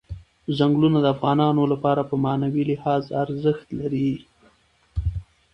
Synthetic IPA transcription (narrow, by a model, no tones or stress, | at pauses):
zaŋɡlunad̪əafɣɑnɑnolapɑɾapəmɑnawilɪhɑzaɾzəxt̪laɾi